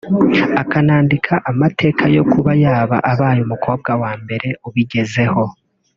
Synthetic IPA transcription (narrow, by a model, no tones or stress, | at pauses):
akanaːndikʰaʔamatʰe̞ːkʰajo̞kuβajaːβa̰ʔaβaːjumukʰo̞ːb̚ɡawaːmbe̞ɾe̞uβiɟe̞ze̞ho̞